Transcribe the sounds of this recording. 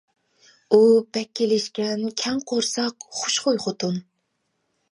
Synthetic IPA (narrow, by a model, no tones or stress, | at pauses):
ub̥ɛkʲʰːelɪʃkʲɛnkʲʰɛŋqʰoɾsɑqχʊʃχojχot̪ʰun